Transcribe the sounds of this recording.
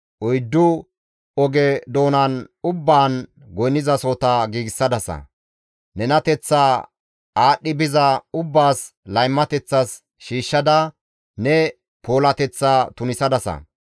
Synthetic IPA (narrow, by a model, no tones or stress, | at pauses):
ʔɔjd̪ːʊ | ɔɡɛd̪o̞ːnɐnʊbːaːn | ɡɔjnɪzɐsoːt̪ɐɡiːɡɪsːɐd̪ɐsɐ̰ | nɛnɐt̪ɛt͡sːaː | aːɗːɪbɪzɐʊbːaːslɐjmːɐt̪ɛt͡sːɐs | ʃiːʃːɐd̪ɐ | nɛ | po̞ːlɐt̪ɛt͡sːaːt̪ʊnɪsɐd̪ɐsɐ̰